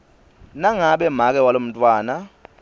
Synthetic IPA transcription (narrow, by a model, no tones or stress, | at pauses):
naŋaɓɛm̤ak̬ʼɛwalom̩tʼwaːna